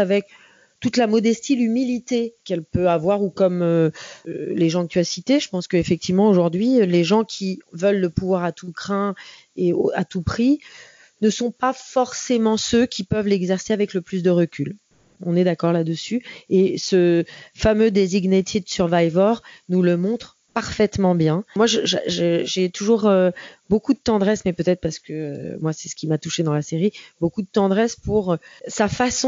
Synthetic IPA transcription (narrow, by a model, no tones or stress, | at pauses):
avɛk̚ | t̪ut̪lamɔd̪ɛst̪ilymilit̪ekɛlpøavwaʁukɔmø | leʒɑ̃kət̪yasit̪eʒəpɑ̃skəefɛk̚t̪ivmɑ̃oʒuʁd̪ɥileʒɑ̃kʲʰivəlːəpuvwaʁat̪ukχɛ̃ | eoat̪upχi | nəsɔ̃pafɔʁsemɑ̃søkʲipœvlɛɡzɛʁseavɛkləplys̬d̪əʁəkʲyl | ɔ̃nɛd̪akɔʁlad̪əsyesəfamød̪eziɡnet̪ʰid̪syʁvajvœʁnuləmɔ̃t̪χ | paʁfɛt̪mɑ̃bjɛ̃mwaʒəʒʒəʒet̪uʒuʁøbokud̪ət̪ɑ̃d̪ʁɛsmɛpøt̪ɛt̪χpaʁsə̥kəø̰mwasɛsə̥kʲimat̪uʃed̪ɑ̃laseʁibokud̪ət̪ɑ̃d̪ʁɛspuʁsafasɔ̃